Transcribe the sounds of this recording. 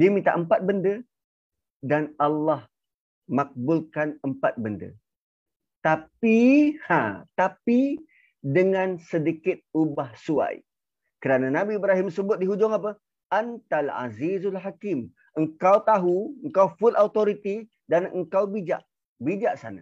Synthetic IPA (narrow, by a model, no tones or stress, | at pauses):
diəmĩt̪a̰ʔəmpat̪̚bəndə | danalːɑh | mak̚bʊlkanəmpat̪̚bəndə̰ | t̪apihãt̪api | dəŋãnsədikɪt̪̚ubahsua̰j | kəɾananabiːbɾaɦimsəbʊt̪̚diɦud͡ʒʊŋap̬ə | ant̪ala̰zizalħakɪm | əŋkawt̪aɦuəŋkawfʊlaut̪oɾit̪i | danəŋkawbid͡ʒa̰ʔ | bid͡ʒaʔsa̰na̰